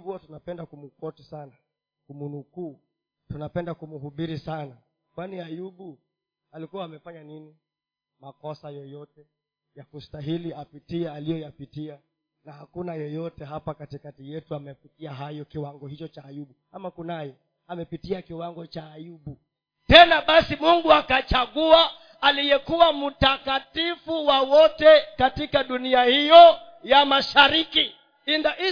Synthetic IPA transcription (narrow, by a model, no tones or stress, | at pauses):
huatunapɛndakumukɔtisana | kumunukuː | tunapɛndakumuɦuɓiɾisana | kwaniajuɓu | alikuwaːmɛfaɲanini | makɔsajɔjɔtɛ | jakustaɦiliapitiɛalijɔjapitia | nahakunajɔjɔtɛɦapakatikatijɛtuamɛpitiaɦajɔkiwaŋɡɔhit͡ʃɔt͡ʃaːjuɓu | amakunajɔ | amɛpitiakiwaŋɡɔt͡ʃaːjuɓu | tɛnaɓasimuŋɡuakat͡ʃaɠuaː | lijɛkuwamutakatifuwawɔtɛkatikaɗuniahijɔ | jamaʃaɾiki | indaʔi